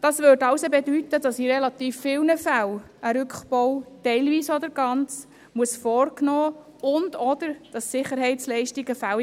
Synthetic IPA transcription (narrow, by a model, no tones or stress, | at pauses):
d̥ɑsvøɾtɑwsobɛdytədɑsiɾɛlɑt̪iːfːɪwnəfæw | əɾʏkχbɔwtɛɪlviːsɔdəɾɡ̥ɑnt͡s | muəsfɔːrknɔː | ʊndɔd̪əɾd̥ɑssɪχəɾɦɛɪtt͡slɛɪʃtiɡəfæw